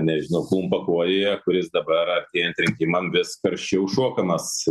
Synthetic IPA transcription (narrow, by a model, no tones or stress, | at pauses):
nʲɛʒʲɪnɐʊklˠuːmpɐkuɔjeːjɛkʊɾʲɪsd̪ɐbɐɾɐt̪ʲeːjɛnʲt̪ʲɾʲɪŋʲkʲɪːmɐnʋʲɪspʲɐɾʲʃʲt͡ʃʲɛʊʃuɔkɐmɐs